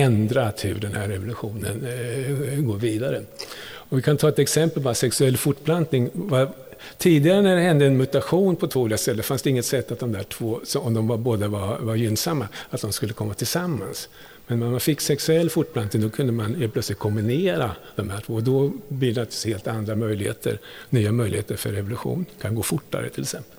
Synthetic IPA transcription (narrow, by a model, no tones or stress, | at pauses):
ɛnd̪ɾaat̪hɵɖɛnhæɾːɛvʊlɵɧuːnən | ɡoːɾviːd̪aɾəɔvɪkʰant̪ʰɑːɛt̪ɛksɛmpəlbɑɾasɛksɵɛlːfʊʈːblant̪nɪŋva | t̪ʰiːd̪ɪɡaɾənæɖɛhɛnd̪əɛnmɵt̪aɧuːnpʰɔt̪ʰv̥oːlɪkast̪ɛlːət̪fansd̪ɛɪŋːət̪sɛt̪ːat̪̚d̪ɔmd̪æːʈʰv̥oːsɔɔmd̪ɔmvaboːd̪avavaɾjʏnːsamːaat̪̚d̪ɔmskɵlːəkʰɔmːat̪ʰɪlsamːa̰ns | mɛnmɛnmanfɪkːsɛksɵɛlːfʊʈːblant̪nɪŋd̪ɔkʰɵnd̪əmanheːlpʰlœt̪slɪt̪̚kʰɔmbɪneːɾad̪̥ɔmhæːʈʰv̥oːd̪ɔb̪ɪd̪at̪sheːlt̪and̪ɾamœjlɪhḛːt̪ʰə̰ɾnyːamœjlɪ̰heːt̪əɾfœ̰ɾɛvʊlɵɧṵːnkʰanɡoːfʊʈːa̰ɾə̰t̪ʰɪlɛksɛmpəl